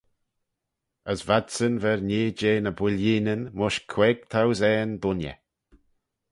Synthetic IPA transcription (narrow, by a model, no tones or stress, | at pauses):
əsvadsənvɛɹneːd͡ʒeːnəbwɪliːnənmʊʃkʰweːɡ̚t̪ʰawzɛːnbʊnə̰